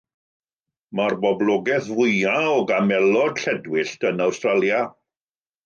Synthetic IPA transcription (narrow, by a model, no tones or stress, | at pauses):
marbɔblˠɔɡɛθvʊjaɔɡamɛlˠɔd̥ɬɛdwɪɬtənawstralˠja